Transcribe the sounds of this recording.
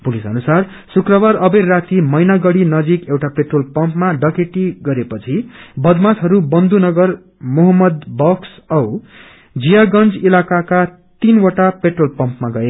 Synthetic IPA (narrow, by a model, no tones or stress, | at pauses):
pulisʌ̰nusar | sukrʌbaɾʌbejrat̪imʌjnaɡʌɽinʌd͡zikewʈapeʈrolpʌmpmaɖʌkeʈiɡʌɾepʌt͡sʰibʌd̪mat̪ɦʌɾubʌnd̪unʌɡʌr | moɦʌmːʌd̪bʌksʌw | d͡zijaɡʌnd͡zilakaka | t̪inwʌʈapeʈrolpʌmpmaɡʌe